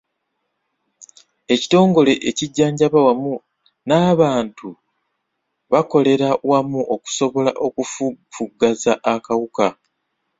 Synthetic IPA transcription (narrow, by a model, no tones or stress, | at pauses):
e̞ci̥to̞ːŋɡo̞le̞ʔeciɟːaːɲɟaβawamu | naːβaːntu | βako̞le̞ɾawamuʔo̞ku̥so̞βo̞laʔo̞kufufuɡːazaʔːkawuka